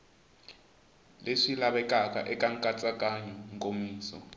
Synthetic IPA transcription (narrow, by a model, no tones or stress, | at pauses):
leʂilaβɛkʼakʼa̰ʔɛkʼaŋkʼat͡sʼakʼaɲɛŋkʼomiːsɔ̰